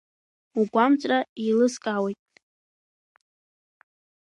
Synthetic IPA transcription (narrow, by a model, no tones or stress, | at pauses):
uɡʷamt͡sʷʼrailɨskʼawejtʼ